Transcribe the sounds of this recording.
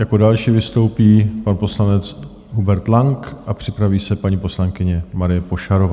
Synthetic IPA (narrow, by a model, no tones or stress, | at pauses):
jako̞dalʃiːvɪst̪o̞wpiːpanpo̞slanɛt͡s | ɦubɛɾt̪laŋkʔapr̝̥ɪpɾaviːsɛpaɲiːpo̞slaŋkɪɲɛmaɾɪjɛpo̞ʃaɾo̞vaː